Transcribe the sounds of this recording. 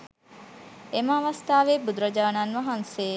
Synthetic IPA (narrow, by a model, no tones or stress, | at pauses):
emaːʋɐst̪aːʋebud̪ɾɐd͡ʒaːnanʋɐɦanse